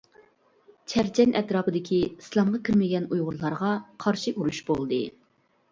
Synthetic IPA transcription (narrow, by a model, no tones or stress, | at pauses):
t͡ʃʰɛɾt͡ʃʰɛnʔɛt̪ɾɑːpɨd̪ɪkʲʰiislˠɑmʁɑkʲʰiɾmɪɡʲɛnujʁʊɾlˠɑɾʁɑqʰɑɾʃiʔuɾuʃbolˠd̪ɨ